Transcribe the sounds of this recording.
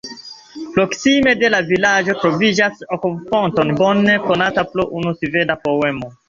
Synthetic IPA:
pɾoksime̞de̞lavilad͡ʒo̞tɾovid͡ʒasokofontonbonːekonataploʔunusivenapowe̞mo

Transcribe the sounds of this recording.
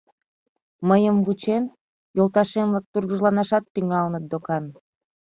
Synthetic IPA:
məjəmvut͡ɕen | jolˠt̪ɑʃemlɑk̚t̪urɣəʒlɑnɑʃɑt̪ːyŋɑlnət̪̚d̪okɑn

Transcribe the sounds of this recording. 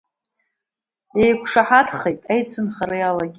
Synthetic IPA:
ejkʷʰʂaħatʰχejtʼajt͡sʰɨnχaɾɨjalaɡʲi

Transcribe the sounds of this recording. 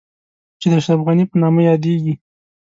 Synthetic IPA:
t͡ʃed̪əaʃɾafɣanipənɑmajɑd̪eɡi

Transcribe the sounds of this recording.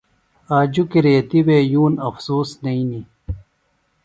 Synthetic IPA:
aːd͡ʑukiɾeːt̪iwejuːnɐfsuːsnɐini

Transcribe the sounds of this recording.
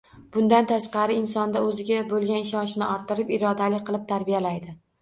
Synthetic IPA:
b̥ʊnd̪ant̪ʰaʃqɑɾɪɪnsɒnd̪aɵzɪɡʲabolˠɡʲanɪʃɒnʃnɪɒɾt̪ʰːɪɾɪpɪɾɒd̪alɪqʰɨlˠɪp̚t̪ʰaɾbijalajd̪ɪ

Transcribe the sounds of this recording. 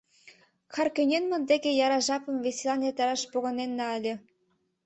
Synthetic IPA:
xɑrkønʲenmə̆nd̪eɣʲĕjɑɾɑʒɑpɤ̆mveselɑnet̪ɑɾɑʃpoɣɤ̆nenːɑəlʲĕ

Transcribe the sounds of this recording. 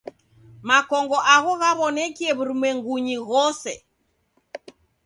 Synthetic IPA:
makɔŋɡɔʔaɣɔɣaβɔnɛkiɛβuɾumwɛŋɡuɲiɣɔsɛ

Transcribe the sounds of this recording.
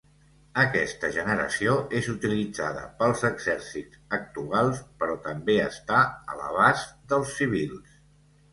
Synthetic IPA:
əkɛst̪əʒənəɾə̰sioezut̪ilid͡zaðə̰pəlˠzəɡzɛɾsidd͡zək̚t̪ualˠspəɾɔt̪əmbeəst̪aə̰lə̰β̞azd̪əlˠsːiβ̞ilˠs

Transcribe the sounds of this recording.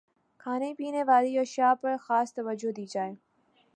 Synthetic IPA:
kʰaːnepiːneʋaːliɔːʃaːpɐɾxaːst̪ɐʋəd͡ʒod̪iːd͡ʒaːeː

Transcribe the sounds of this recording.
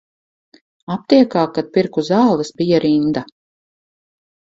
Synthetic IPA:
ap̚t̪iɛkaːkad̪̚piɾkuzaːlˠisbijaɾind̪a

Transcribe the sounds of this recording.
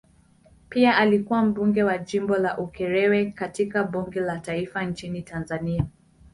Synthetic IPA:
piaʔalikuwam̩ɓuŋɡɛwaʄimbɔlaʔukɛɾɛwɛkatikaɓuŋɡɛlataifant͡ʃinitanzania

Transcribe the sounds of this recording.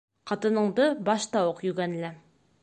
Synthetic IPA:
qʰɑt̪ɤ̆nɤ̆ɴd̪ɤbɑʃt̪ɑwɤqjʉɡænlæ

